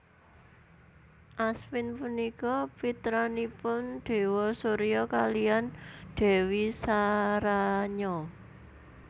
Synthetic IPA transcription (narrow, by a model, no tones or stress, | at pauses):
ʔaswɪnpunikɔpit̪ɾanipʊnɖ̪̥e̤wɔsoɾijɔkalijanɖ̪̥e̤wisaɾaɲɔ